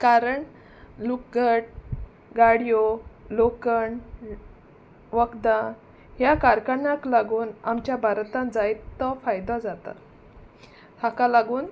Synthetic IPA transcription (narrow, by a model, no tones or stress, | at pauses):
kaɾəɳ | luk̚ɡʱəʈ̚ | ɡaɽjolokəɳ | ʋəkd̪ã | ɦjakaɾkəɾɳaklaɡuːnamt͡ɕjabʱaɾt̪ãnd͡zajt̪ːɔfajd̪ɔd͡zat̪a̰ | t̪ʰakalaɡuːn